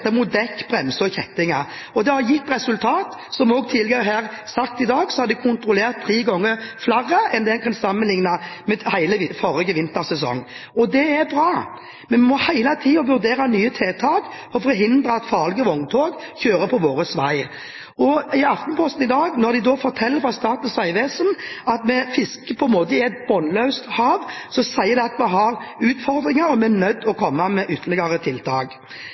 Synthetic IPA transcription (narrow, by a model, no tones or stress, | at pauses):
t̪ɛmut̪̚d̪ɛkːb̥ɾɛmsəɔçɛt̪ːɪŋɑ | ɔd̪ɛhɑɾjɪt̪ːɾɛsʉlt̪ʰɑːt̪ | sɔmɔːɡ̚t̪ʰɪlɡəɾəɦæːʁ | sɑkt̪ɪd̪ɑːɡsɔhɑɾd̪ɪkʰʊnt̪ɾʊleːʁt̪ʰːɾiːɡɔŋːəflæʁːəʔɛnd̪ɛnkʰɑnsɑmːənlɪŋnɑmɛhæɪləɪfɔɾɛɡəʋɪnt̪əʁsɛsɔ̰ŋːɔd̪ɛɛɾbɾɑː | mɛnmmɔhæɪlɑt̪ʰiːɔʋʉɾd̪eːɾɑnyːət̪ʰeːt̪ʰɑːk | ɔfɔɾɦɪnd̪ɾɑɑt̪fɑːlɪɡəʋɔŋt̪ʰoːɡçøːɾəpʰɔʋoːɾəsʋæɪ | ɔɪɑft̪npʰɔst̪n̩ɪd̪ɑːɡnɔɾd̪ɪd̪ɔfɔɾt̪ʰɛlːəɾfɾɑst̪ɑːt̪n̩sæɪʋeːsənɑt̪mɛfɪskəpʰɔɛnmoːt̪əɪɛt̪̚bɔnlœʉst̪hɑːʋsɔsæɪːəɾd̪ɛɑt̪mɛɦɑɾʉːt̪fɔɾd̪ɾɪŋɑɾɔmɛænœd̪ːɔkʰɔmːɑmɛʔʏt̪ʰːəlɪɡɑɾət̪ʰɪlt̪ʰɑ̰ːɡ